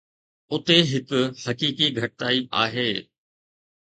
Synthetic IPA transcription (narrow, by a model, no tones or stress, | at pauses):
ʊt̪eɦɪkʊ̆hɐkiːkiɡʱɐʈɪt̪aːia̰ːɦeː